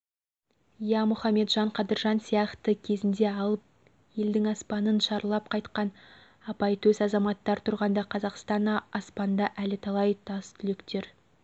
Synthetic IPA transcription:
ijɑmʊχɑme̞t̪ʒɑɴqʰɑd̪əɾʒɑnsijɑχt̪əkʲʰe̞zɪnd̪e̞ɑlˠəp̚ | je̞ld̪ɪŋɑspɑnənʃɑɾlˠɑpqʰɑjt̪qɑn | ɑpɑjt̪ʰɵsɑzɑmɑt̪ːɑɾt̪ʰʊɾʁɑnd̪ɑqʰɑzɑqst̪ɑnɑspɑnd̪ɑʔælɪt̪ʰɑlˠɑjt̪ʰɑst̪ʰʏlekt̪e̞ɾ

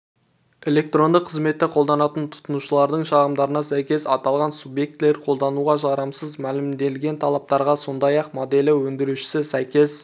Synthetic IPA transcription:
e̞le̞k̚t̪ro̞nd̪əqʰːəzme̞t̪ːɪqʰo̞lˠd̪ɑnɑt̪ənt̪ʰʊ̥t̪ənuʃəlˠɑɾd̪əɴʃɑʁəmd̪ɑɾənɑsæjkʲe̞sɑt̪ɑlˠʁɑnsubje̞k̚t̪le̞ɾqʰo̞lˠd̪ɑnuʁɑʒɑɾəmsəzmælɪmd̪e̞lɡʲe̞nt̪ʰɑlˠɑp̚t̪ɑɾʁɑso̞nd̪ɑjɑqmod̪e̞lɪwɵnd̪ɪɾuʃɪ̥sɪsæjkʲe̞s

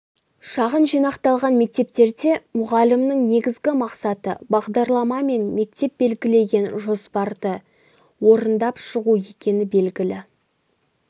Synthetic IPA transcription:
ʃɑʁənʒijnɑqt̪ɑlˠʁɑnme̞k̚t̪e̞p̚t̪e̞ɾd̪e̞mʊʁɑlɪmnəɴne̞ɡʲɪzɡʲɪmɑqsɑt̪ə̰bɑʁd̪ɑɾlˠɑmɑme̞nme̞k̚t̪e̞p̚be̞lɡʲɪle̞ɡʲe̞nʒo̞spɑɾd̪ə | wo̞ɾənd̪ɑpʃəʁue̞kʲe̞nɪbe̞lɡʲɪlɪ

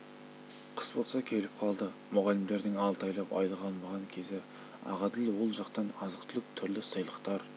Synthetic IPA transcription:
qʰə̥sbo̞lˠsɑkʲʰe̞lɪp̚qʰɑlˠd̪əmʊʁɑlɪmd̪e̞ɾd̪ɪŋɑlˠt̪ɑjlˠɑpɑ̰jlˠəʁɑnmɑʁɑŋkʲʰe̞zɪ | ɑ̰ʁɑd̪ɪlwo̞lˠʒɑqt̪ɑnɑzəqt̪ʰʏlɪk̚t̪ʰʏɾlɪsəjlˠəqt̪ɑɾ

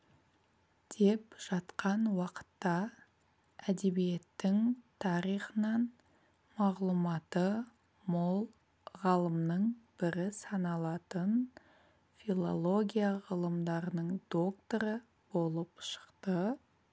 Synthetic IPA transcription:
d̪̥e̞pʒ̥ɑt̪qɑnwɑqə̥t̪ːɑ | æd̪e̞bije̞t̪ːɪŋt̪ʰɑɾijχənɑn | mɑʁlˠumɑt̪ə | mo̞lˠ | ʁɑlˠəmnəɴb̥ɪɾɪsɑnɑlˠɑt̪ən | filˠo̞lˠo̞ɡʲijaʁəlˠəmd̪ɑɾənəɴd̪̥o̞kt̪oɾə | bo̞lˠəpʃə̥qt̪ə

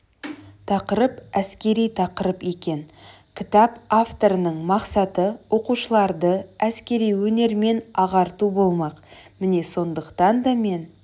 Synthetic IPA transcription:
t̪ʰɑqəɾəpæskʲe̞ɾijt̪ʰɑqəɾəpe̞kʲe̞n | kʲʰɪt̪ɑpaft̪o̞ɾənəɴmɑqsɑt̪əwʔo̞quʃəlˠɑɾd̪əæskʲe̞ɾijwɵne̞ɾme̞nɑʁɑɾt̪ubo̞lˠmɑqmɪne̞so̞nd̪əqt̪ɑnd̪ɑme̞n

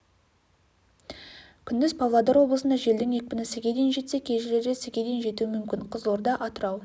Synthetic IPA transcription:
kʲʰʏnd̪ɪzpʰɑvlˠɑd̪ɑɾwo̞bləsənd̪ɑʒe̞ld̪ɪŋje̞k̚ʲpɪnɪsɪɡʲed̪enʒe̞t̪sekʲʰeʒɪle̞ɾɡʲesɪɡʲed̪enʒe̞t̪uɪmʏmkʲɪɴqʰəzlˠoɾd̪ɑʔɑt̪əɾɑw

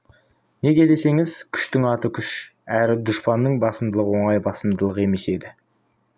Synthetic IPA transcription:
neɡʲe̞d̪e̞se̞ŋɪzkʲʰʏ̥ʃt̪ɪŋɑt̪əkʲʰʏʃæɾɪd̪ʊʃpɑnːəɴbɑsəmd̪əlˠəwo̞ɴɑjbɑsəmd̪əlˠəqe̞me̞se̞d̪ɪ

